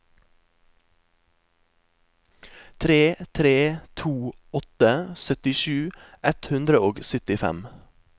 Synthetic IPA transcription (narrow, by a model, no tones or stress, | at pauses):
t̪ʰɾeːt̪ʰɾeːt̪ʰuː | ɔt̪əsœt̪ɪʃʉː | ʔɛt̪hʉnd̪ɾəoːɡsʏt̪ɪfɛ̰m